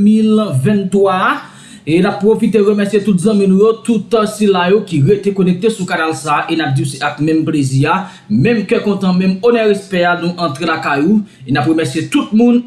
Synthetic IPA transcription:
milvɛ̃nt̪wa | enapːʁofit̪̬eɣəmɛsjet̪ut̪̬zɐ̃mĩnũjot̪ut̪silajokiʁet̪ekonɛk̚t̪esukanalsaʔenap̚disiakmɛ̃mplezia | mɛ̃mkɛkɔ̃t̪ãmɛ̃monɛʁespɛanũʔɐ̃t̪ʁelakaju | enapɣəmɛsijet̪ut̪̚mũn

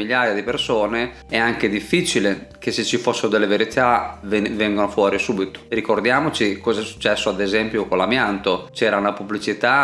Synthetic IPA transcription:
iʎːaːjad̪ipersoːne | ɛaŋk̟ed̪ifːit͡ʃilekesːet͡ʃːifosːeɾod̪elːeveɾit̪avenvɛŋɡonofwɔːɾisubit̪o̥rikord̪jaːmot͡ʃikɔːzɛsu̥t͡ʃːɛsːoad̪ezɛmpjokolamjant̪ot͡ʃɛːɾaunapubːlit͡ʃit̪a

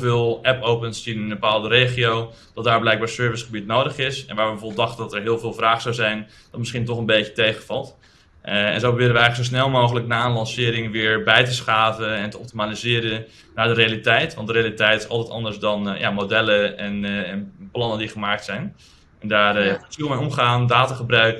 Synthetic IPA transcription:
vɪːlˠɛpowpənstinɪnbəpaːlˠdərejχiow | d̥ɔtdaːɹblɛjk̚baːɹsøːɹvɪsχəbitnowdəχɪsɛ̰nʋaːɹʋəbəfoːbəlˠdɑχtədɔtɛɹɦɪːəlˠvɪːlˠvraːχsawzɛjn | d̥ɔtmɪsχint̬ɔχənbejətejχəfɑlˠt | ɛ̰nzowprobɪːɾəʋəɛjχəl̩əksos̬nɛlˠmowχələknaːənlɑnsɪːɾɪŋʋɪəɹbɛjtəsχaːvəɛntəɔp̚timalizɪːəɾən | naːɹdərejalitɛjtʋɑntdərealitɛjtɪsɑ̰lˠtɛtɑ̰ndəɹsdɔnja̰modɛləɛnɛnplɑnəndiχəmaːk̚tsɛjn | ʔɛndaːrjafsilˠmeɔmχaːndaːtaχəbrœɥk

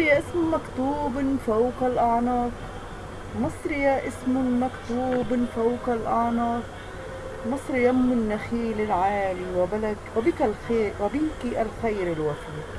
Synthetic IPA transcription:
jaʔɪsmmakt̪uːbɪnfawkalʔɑʕnɑːt̪ | mɑsˤɾɪjaʔɪsmʊmakt̪uːbɪnfawkalʔɑʕnɑːt | mɑsˤɾɪjamːʊnːaxiːlɪlʕaːliwabalakwabikalxeːʔwabiŋkiʔalxajɾɪlwafin

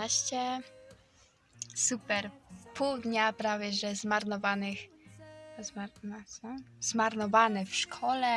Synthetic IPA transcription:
aɕt͡ɕɛ | supɛɾpʰuwd̪ɲapɾavʲjɛʐɛzmaɾnɔvanɘx | zsɔzmaɾnɔvanɛfʂkʰɔlɛ

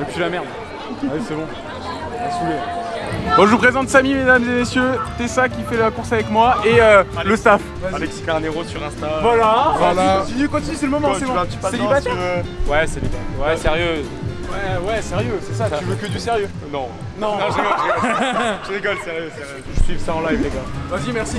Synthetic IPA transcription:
ɛpzlamɛʁd̪ | isɛɡɔ̃ | asuv | bɔ̃ʒəpχezɑ̃t̪samimed̪amzemesjøt̪esakʲifɛlakuʁsavɛkmwaeøləsaf | walɛksifɛɛ̃neʁosyʁɛ̃st̪avwalaalakt̪inykɔ̃t̪inysɛləmɔmɑ̃sɛɔ̃at̪ypaseibavwɛselibat̪wɛsɛʁjø | wɛwɛsɛʁjøsɛsatyvøkəd̪ysɛʁjø | nɔ̃ | nɔ̃nɔ̃ʒkɔkɔʒəd̪ekɔlsɛʁjøsɛj | ʒəsɥivsaɑ̃lajvleɡaazimɛʁsi

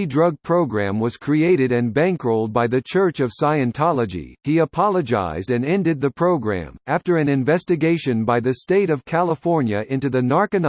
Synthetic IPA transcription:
dɹʌɡ̚pʰɹ̥oʊɡɹæ̃mwʌz̥kʰɹ̥ieɪɾɨɾɨ̃nbæ̃ŋkɹoʊlˠd̚baɪðɨt͡ʃʰɜ˞t͡ʃʌv̥saɪɨ̃ntʰɑlˠəd͡ʒḭiɨpʰɑlˠəd͡ʒa̰ɪzdɨ̃nɛ̃ndɨd̪̚ðɨpʰɹ̥oʊɡɹæ̰̃mæftə˞ɨ̃nɨ̃ɱvɛstɨɡeɪʃɨ̃nbaɪðɨsteɪɾʌv̥kʰælˠəfɔɹnjɨʔɪ̃ntʉðɨnɑɹkɨn

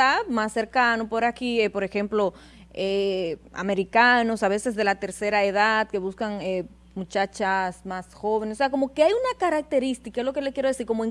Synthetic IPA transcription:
aðmasːe̞ɾkanopoɾakiepo̞ɾe̞xe̞mplo̞ | ea̰me̞ɾikano̞saβe̞sezðe̞lat̪e̞ɾse̞ɾaeðaðke̞βuskane | mut͡ʃat͡ʃasmasxo̞βenesoseako̞mo̞ke̞ajunakaɾak̚t̪eɾist̪ikaezlo̞kelekjeɾoðesiɾko̞moeŋ

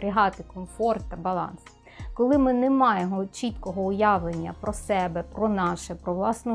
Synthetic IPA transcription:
ɾʲɪɦɑt̪ɪkɔmfɔrt̪ːɐbɐlˠɑ̰ns | kɔlˠɪmɪnemɑjemɔt͡ʃit̪kɔɦɔʊjɑʋlenʲːɐ̰pɾɔsɛbɛpɾɔnɑʃɛpɾɔʋlˠɑsnʊ

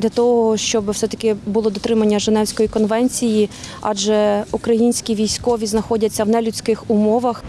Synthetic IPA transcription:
d̪lʲɐt̪ɔɦɔʃt͡ʃɔbɪfsɛt̪ɐ̥kɪbʊlˠɔd̪ɔt̪ɾɪmɐnʲːɐʒenɛwsʲkɔjikɔnʋɛnʲt͡sʲijiɑ̰ʒɛukɾɐjinʲsʲkʲiʋʲijsʲkɔʋʲiznɐxɔdʲɐt͡sʲːɐwnɛlʲʊt͡sʲkɪxʊmɔʋɐx

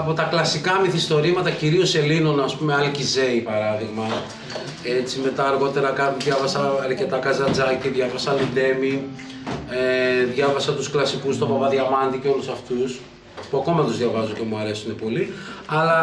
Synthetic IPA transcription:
po̞t̪ɐklɐsikɐmiθist̪o̞ɾimɐt̪ɐciɾio̞se̞lino̞nɐspume̞ɐlcize̞ipɐɾɐðiɣmɐ | e̞t͡sime̞t̪ɐːɾɣo̞t̪e̞ɾɐkɐðʝɐvɐsɐːɾce̞t̪ɐkɐzɐnd͡zɐciðʝɐvɐsɐlind̪e̞mi | eðʝɐvɐsɐt̪usklɐsikust̪o̞pɐvɐðʝɐmɐnd̪iceolusɐft̪us | puɐko̞mɐt̪uzðʝɐvɐzuce̞muɐɾe̞sune̞po̞liɐlɐ

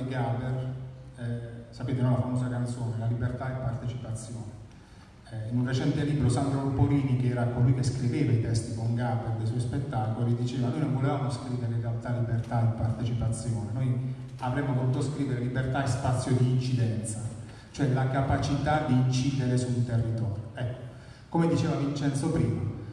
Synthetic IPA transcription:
ɡaber | sapeːt̪enɔlafamoːzakant̪soːnelalibert̪aepːart̪et͡ʃipat̪sːjoːne | inunret͡ʃɛnt̪eliːbɾosand̪ɾolupoɾiːnikeɛːɾakolujkeskɾiveːvait̪ɛst̪ikoŋɡaberd̪ejsɔjspet̪ːaːkoloiid̪it͡ʃeːvanojnoɱvolevaːmoskɾiːveɾeerealt̪alibert̪aepart̪et͡ʃipat̪sːjoːnenoj | avɾɛmːovot̪uːt̪oskɾiːveɾelibert̪aespat̪sːjod̪iːnt͡ʃid̪ɛnt̪sa | t͡ʃoɛlakapat͡ʃit̪ad̪iːnt͡ʃiːd̪eɾesunt̪erːit̪ɔːɾjoɛkːo̥ | komed̪it͡ʃeːvavint͡ʃɛnt̪sopɾiːma

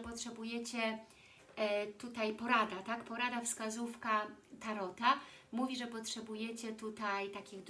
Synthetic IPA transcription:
pɔtʂɛbujɛt͡ɕɛ | t̪ut̪ajpɔɾad̪at̪akpɔɾad̪afskazufkat̪aɾɔt̪amuvʲiʐɛpɔtʂɛbujɛt͡ɕɛt̪ut̪ajt̪akʲiɣd̪

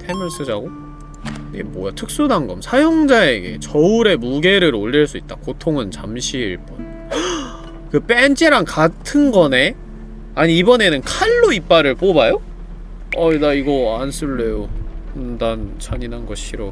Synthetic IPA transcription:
tʰemɯnsʰɯd͡ʑaɡo | ɡḛmwʌjatʰɯk̚s͈udaŋɡʌmsʰajoŋd͡ʑae̞ɡe̞̰t͡ɕʌuɾe̞muɡe̞ɾɯɾoʎːiɭs͈uit̚t͈akotʰoŋɯnt͡ɕamɕʰiiɭp͈ɯn | kɯp͈ent͡ɕʰeɾankatʰɯnɡʌne̞ | aɲiːbʌne̞nɯnkʰaɭːoip͈aɾɯɭp͈obajo | ʌdaiɡʌansʰɯɭːe̞jondant͡ɕaɲinanɡʌɕʰiɾo

